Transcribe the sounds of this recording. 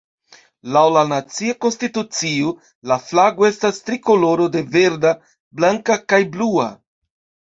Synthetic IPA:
lawlanat͡siako̞nstitut͡sio | laflaɡoe̞stastɾiko̞lo̞ɾo̞de̞ve̞ɾda | blaŋkakajblua̰

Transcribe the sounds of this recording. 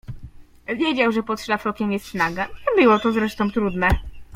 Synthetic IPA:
vʲjed͡ʑawʐɛpɔt̪ʂlafɔkʲɛmjɛst̪fnaɡaɲɛbɘwɔt̪ɔzɾɛʂt̪ɔ̃w̃t̪ɾud̪nɛ

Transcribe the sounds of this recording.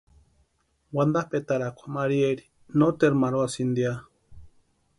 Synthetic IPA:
wand̪ahpet̪aɾakʷḁmaɾieɾi | not̪eɾmaɾoasind̪ia

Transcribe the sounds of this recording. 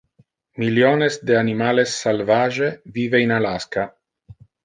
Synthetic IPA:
miljonesd̪eanimalesːalvaʒeviveinalaska

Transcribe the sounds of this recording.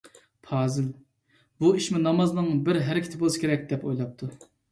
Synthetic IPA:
pʰɑːzɨl | buiʃmɪnɑmɑznɨŋbɪɾɦæɾɪkʲʰɪ̥t̪ʰɪbolˠɨʃɪ̥kʲeɾɛk̚ʲd̪ɛpojlˠɑp̚t̪ʰu

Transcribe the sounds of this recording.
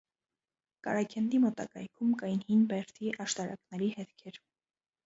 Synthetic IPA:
kɑ̰ɾɑkʰɛnd̪imɔt̪ɑ̰kɑjkʰumkɑjinhinbɛɾt̪ʰiʔɑʃt̪ɑɾɑ̰knɛɾihɛt̪kʰɛɾ

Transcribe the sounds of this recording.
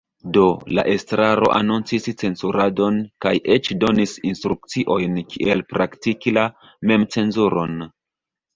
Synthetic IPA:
do̞la̰ʔe̞stɾaɾo̞̰ʔanunt͡sist͡se̞nsuɾado̞nkajʔe̞t͡ʃdo̞nisinstɾuk̚t͡siʔo̞jnkʰiʔe̞lpɾaktikila | me̞mt͡se̞nzuɾo̞n

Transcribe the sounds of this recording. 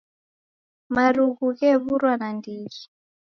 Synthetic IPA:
maɾuɣuɣɛβuɾwanandiɣi

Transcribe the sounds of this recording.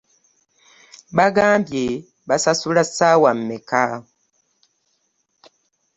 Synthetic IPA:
baɡaːmbje | basasulasawam̩mɛka

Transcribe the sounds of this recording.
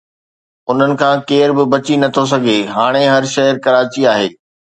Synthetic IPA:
ʊn̤ənɪ̆kʰãːkeːɾbɪbɐt͡ɕinɐt̪ʰos̬ɐɡʱeɦaːɽ̃eɦɐɾʃɐɦəɾkɐɾaːt͡ɕiaːɦeː

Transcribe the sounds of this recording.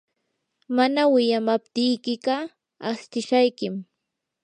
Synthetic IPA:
manawɪjamap̚t̪ɪjkɪɢɑ | ast̪ɪʃajkɪm

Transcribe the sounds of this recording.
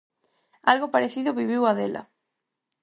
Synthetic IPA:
alɣopaɾeθiðoβiβiwaðelʔɐ̰

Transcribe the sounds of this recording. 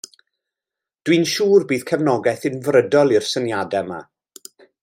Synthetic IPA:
d̥winʃuːrbiːð̥kʰɛvnɔɡɛθɪnvrədɔlˠirsənjadɛma̰

